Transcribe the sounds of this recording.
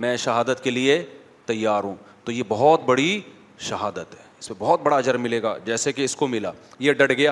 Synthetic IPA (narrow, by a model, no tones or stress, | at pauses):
mɛ̃ːʃɐɦaːd̪ət̪kelie | t̪ɐjːaːɾɦũːt̪ojebɐɦɔt̪bɐɽi | ʃɐɦaːd̪ət̪ɦɛːɪsmẽbɔɦɔt̪̚bɐɽaɐd͡ʒəɾmɪleːɡa̰ːd͡ʒɛːsekeɪskomɪla̰ːjeɖɐɽɡɐjaː